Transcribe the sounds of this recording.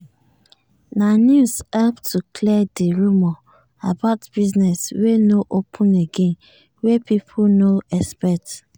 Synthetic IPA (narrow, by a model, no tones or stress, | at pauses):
nanjushɛlptʰukʰlɛdeɹumɔ | abaʊtb̥iznɛswenoʔopʰũneɡẽn | wepipʰunoɛspɛt